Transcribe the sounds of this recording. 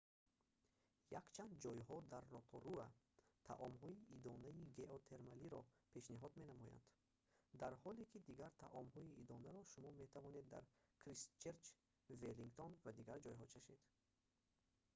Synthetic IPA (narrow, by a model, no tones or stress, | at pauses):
jakt͡ʃʰand̪̚d͡ʒɔjɦɔd̪aɾːɔt̪ʰɔɾua | t̪ʰa̰ʔɔmɦɔiʔid̪ɔnaiɡe̞ot̪ʰe̞ɾmaliɾɔpʰe̞ʃniɦɔd̪me̞namɔja̰nd̪ | d̪aɾhɔlekid̪iɡaɾt̪ʰaʔɔmɦɔiʔid̪ɔnaɾɔʃumɔme̞t̪ʰavɔne̞d̪ːa̰ɾkʰɾist͡ʃeɾt͡ʃ | veliŋɡt̪ʰonvad̪iɡaɾd͡ʒɔjɦɔt͡ʃʰaʃe̞d̪̥